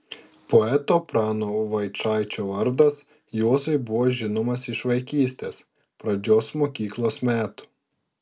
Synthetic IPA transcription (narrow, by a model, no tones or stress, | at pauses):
pɔɛt̪oːpɾɑːnoːʋɐɪt͡ʃɑˑɪt͡ʃʲoːʋɐɾd̪ɐs | joːzɐɪbʊʋoːʒʲɪnomɐsɪʃʋɐɪkʲiːsʲt̪ʲeːs | pɾɐd͡ʒʲoːsmoːkʲiːklˠoːsmʲæːt̪ʊ̥